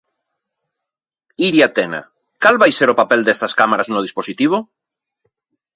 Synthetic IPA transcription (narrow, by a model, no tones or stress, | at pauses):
iɾjat̪ena̰ | kalβajseɾopapeld̪est̪askamaɾaznʊð̞isposit̪iβ̞o